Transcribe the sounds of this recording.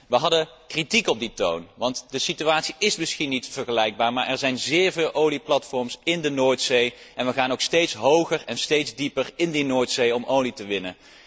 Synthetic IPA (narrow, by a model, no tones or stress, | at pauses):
ʋəɦɑdə | kritikɔb̚dito̰wnʋɑntdəsityaːtsiʔɪsmɪsxinitfəɹχəlɛjɡ̚baːɹmaːɹʔɛɹzɛjnzɪːɹvɪːlˠʔowliplɑtfɔɹmsɪndənoːɹtsejʔɛnʋəχaːnowkstejtsɦowχərɛnstejdzdipərɪndinoːɹtsejɔmʔowlitəʋɪnə̰